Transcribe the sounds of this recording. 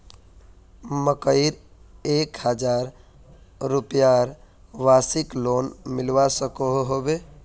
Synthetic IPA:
məkəɪɾekhəd͡ʒaɾː | upjaɾ | ʋasiklonmilʋasəkoɦɦobe

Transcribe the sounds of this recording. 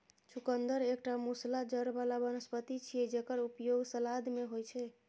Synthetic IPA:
t͡ʃʰukənd̪əɾek̚ʈamuslad͡ʒəɾbalabənəspət̪it͡ʃʰijɛd͡ʒekəɾupjoɡsəlad̪meɦojt͡ʃʰɛ

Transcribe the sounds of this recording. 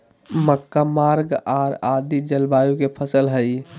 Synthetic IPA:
məkːamaɾɡaɾad̪id͡ʒəlbajukepʰəsəlɦəj

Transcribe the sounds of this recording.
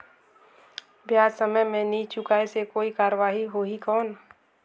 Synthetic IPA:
bjaːd͡ʒsəməjmẽnit͡ʃʊkaesekoːikaːɾəʋaːɦiɦoːɦikɔːn

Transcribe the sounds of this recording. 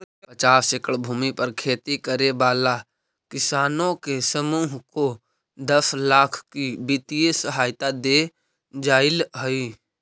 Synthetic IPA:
pət͡ʃaːsekəɽbʱuːmipəɾkʰeːt̪ikəɾebaːla | kɪsaːnõkesəmuːɦko | d̪əslaːkʰkibit̪ijesəɦaːjt̪ad̪e | d͡ʒaːɪlɦəi

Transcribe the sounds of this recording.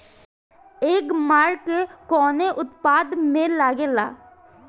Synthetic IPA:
eːkmaːɾkekɔːneʔʊt̪paːd̪mẽːlaːɡeːla̰ː

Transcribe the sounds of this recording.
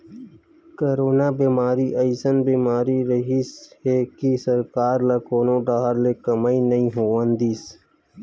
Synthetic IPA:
kɐɾoːnabiːmaːɾiʔəjsənbiːmaːɾiɾəɦishekisɐɾkaːɾlɐkoːnõɖaːɦəɾlekɐmainɐĩɦoːʋənd̪iːs

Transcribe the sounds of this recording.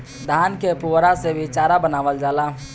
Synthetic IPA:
d̪ʱaːnkepuwɾasebʱit͡ʃaɾabənaːʋəld͡ʒaːla

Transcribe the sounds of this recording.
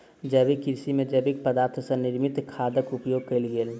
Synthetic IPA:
d͡ʒəbikɪɾsimẽd͡ʒəbik̚pəd̪aːɾt̪ʰsɐnɪɾmɪt̪kʰaːd̪əkʊpjoːɡ̚kelɡeːl

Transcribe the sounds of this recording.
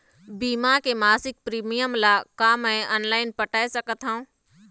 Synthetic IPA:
biːmakemaːsɪk̚pɾiːmijəmlakamɛ̃ɔːnlaːɪnpəʈaːesəkət̪ɦaũː

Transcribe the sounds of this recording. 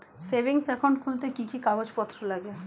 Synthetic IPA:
sebiŋsɛkʰoɳɖkʰult̪ekikikaɡod͡ʑpɔt̪ːɾolaɡe

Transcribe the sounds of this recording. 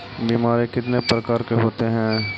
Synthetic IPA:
biːmaːɾekɪt̪nepɾɐkaːɾkeɦoːt̪eɦɛ̃ː

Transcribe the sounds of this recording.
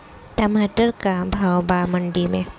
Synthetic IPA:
t̪amatəɾkabʱawbaməɳɖimẽ

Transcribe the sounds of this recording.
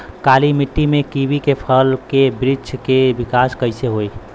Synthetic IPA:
kaːlimiʈːimẽkibikepʰəlkebɾid͡ʒkebikaskəɪseɦoi

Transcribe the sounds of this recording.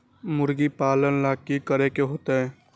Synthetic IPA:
mʊɾɡipaːlənlaːkikəɾekeɦoːt̪eɦɛː

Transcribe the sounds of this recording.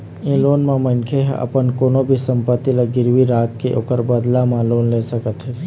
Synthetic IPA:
ĩːloːnmãmənkʰeɦɐ̰pənkoːnobʱisə̃mpət̪ːilaɡɪɾʋiɾaːk̚keʔo̰ːkəɾbəd̪lamãloːnlesəkət̪ɦɛ

